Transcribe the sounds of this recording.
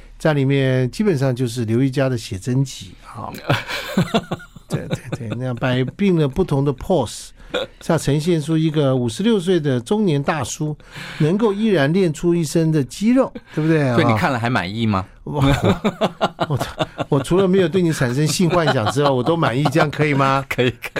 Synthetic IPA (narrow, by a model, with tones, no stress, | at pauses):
t͡sa˥˩ɪli˨˩mjɛ˥˧nt͡ɕi˥pə˨˩nʂɑ˥˧ŋt͡ɕjo˥˧ʊʂ̬ɻ̩˥˩ljo˧˥ʊi˥˩t͡ɕja˥d̪ə˨ɕjɛ˨˩ʈ͡ʂə˥nt͡ɕḭ˧˥ɑ̰˥˧˩ | t̪ḛ˥˧˩t̪we˥˩ɪt̪we˥˩ɪn˥a˥˩pa˨˩ɪpi˥˩ŋlə˩pu˥˩t̪ʰʊ˧˥ŋd̪ə˧pʰɔ˥˩s | ɕɑ˥˩ʈ͡ʂʰɤ˧˥ŋɕ̬jɛ˥˩nʈ͡ʂʰu˥i˧˥ɡə˧u˨˩ʂɻ̩˧˥ljo˥˧ʊs̬we˥˩ɪd̪ə˩ʈ͡ʂʊ˥ŋnjɛ˧˥nt̪a˥˩ʂu˥ | nə˧˥ŋk̬o˥˧ʊi˥˩ɻa˧˥nljɛ˥˩nʈ͡ʂʰu˥i˥˩ʂə˥ŋd̪ə˨t͡ɕi˥ɻo˥˩ʊt̪we˥˩bu˩d̪we˥˩ɪ˥˩˨ni˧˩kʰa˥˩nlə˨˩xa˧˥ɪma̰˨˩ni˥˩mɐ̰˨˧˨ | wɔ˩˧wɔ˨˩wɔ˨˩ʈ͡ʂʰu˧˥lə˧me˧˥ɪjo˨˩t̪we˥˩ɪni˧˥ʈ͡ʂʰa˨˩nʂə˥ŋɕi˥˧nxwa˥˧nɕ̬jɑ˨˩ŋʈ͡ʂɻ̩˥xo˥˩ʊwɔ˨˩t̪o˥ʊma˨˩ni˥˩t͡ɕjɑ˥˩ŋkʰɤ˧˥i˨˩mɐ˩kʰə˧˥i˨˩kʰ